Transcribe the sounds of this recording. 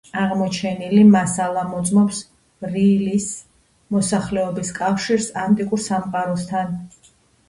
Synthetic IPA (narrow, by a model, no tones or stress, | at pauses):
aʁmɔt͡ʃʰɛnilimasalˠamɔd̪zʼmɔps | ɾilis | mɔsaχlɛɔbiskʼafʃiɾsant̪ʼikʼuɾsamqʼaɾɔst̪ʰan